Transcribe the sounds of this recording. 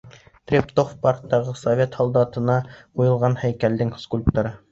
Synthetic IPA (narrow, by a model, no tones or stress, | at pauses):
t̪rʲept̪ofpɑrt̪ːɑʁɤsovʲet̪hɑlˠd̪ɑt̪ɤ̆nɑqujɤ̆lˠʁɑnhæjkæld̪ɘŋskulʲp̚t̪ɑɾɤ